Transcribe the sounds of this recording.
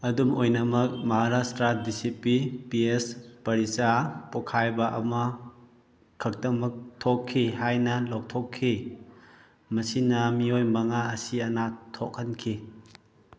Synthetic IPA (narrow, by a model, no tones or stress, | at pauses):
ɐdumojnɐmɐk̚mɐɦaɾastɾadisipipiespɐɾisapokʰajbɐʔɐmɐ | kʰɐk̚tɐmɐk̚tʰokʰːiɦajnɐlok̚tʰokʰːi | mɐsinɐmiojmɐŋaɐsiɐnatʰokʰːɐnkʰi